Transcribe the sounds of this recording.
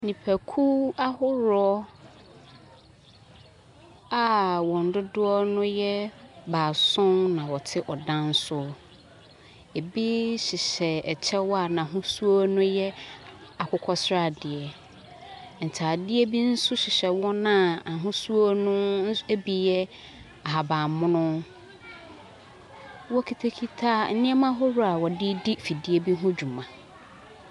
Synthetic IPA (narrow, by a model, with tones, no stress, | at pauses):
nĩ˨pʰæ˨kʰu˦a˦hʊ˦ɾɔ˦ | a˨wɔ̃˨n̩˨dʊ˦dʊ˦ɔ˦nʊ̃˦jɛ˦baː˨sʊ̃˦nnã˨wɔ˨tʰɪ˦ʔɔ˨dã˦n̩˦sʊ˦ | e˨bi˦ɕɪ˨ɕɛ˨ɛ˨t͡ɕʰɛ˦wɔ˦a˨nã˨ɦʊ̃˦su˦o˦nʊ̃˦jɛ˦a˨kʰʷʊ˨˦kʰɔ˦sɾa˦˨dɪ˨ɛ˨ | n̩˨tʰaː˨dɪ˦e˦bi˦n̩˦sʊ˦ɕɪ˨ɕɛ˨wɔ˦nã˦˨a˨ɦʊ̃˦su˦o˦nʊ̃˦e˦bi˨jɛ˦ | a˨ɦa˨bãː˨mʊ̃˦nʊ̃˦ | wɔ˦kʰi˨tʰa˦kʰi˦tʰaː˦n̩˦nɪ̃˦ɛ˦mã˦ɦɔ˦ɾʊ˦a˨wɔ˨dɪ˦di˦fi˨di˦e˦bi˦ɦʊ̃˦d͡ʑᶣu˨mã˨